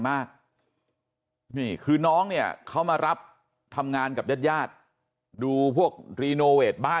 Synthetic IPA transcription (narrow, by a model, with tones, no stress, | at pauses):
maː˥˩k̚ | miː˥˩kʰɯː˧nɔː˦˥ŋni˥˩ɐəkʰa˦˥wmaː˧ɾa˦˥p̚ | t̪ʰa˧mŋaː˧nka˨˩p̚jaː˥˩t̪̚jaː˥˩t̪̚ | duː˧pʰu˥˩ək̚ɾiː˧noː˧weː˨˩t̪̚baː˥˩